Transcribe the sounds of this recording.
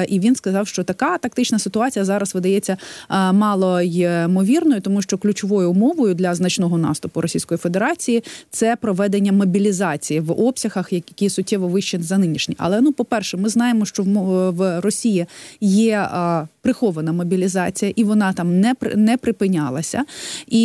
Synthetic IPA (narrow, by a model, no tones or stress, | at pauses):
ʔiʋʲinskɐzɑwʃt͡ʃɔt̪ɐkɑt̪ɐk̚t̪ɪt͡ʃnɐsɪt̪ʊɑt͡sʲijɐzɑɾɐsʋɪd̪ɐjɛt͡sʲːɐmɑlˠɔjɪmɔʋʲirnɔjʊt̪ɔmuʃt͡ʃɔklʲʊt͡ʃɔʋɔjʊmɔʋɔjʊd̪lʲɐznɐt͡ʃnɔɦɔnɑ̰st̪ʊpʊɾɔsʲijsʲkɔjifed̪eɾɑt͡sʲijit̪sɛpɾɔʋɛd̪enʲːɐmɔbʲilʲizɑt͡sʲijiʋɔpsʲɐɣɐxjɐkʲisʊt̚ʲːɛʋɔʋɪʃt͡ʃɪnzɐnɪnʲiʃnʲiʔɐ̰lˠɛnupɔpɛrʃɛmɪznɑjemɔʃt͡ʃɔʋrɔsʲijijɛpɾɪxɔʋɐnɐmɔbʲilʲizɑt͡sʲijɐʔiʋɔnɑt̪ɑmnɛɾ̰nɛpɾɪpɪnʲɑlˠɐsʲɐ̰i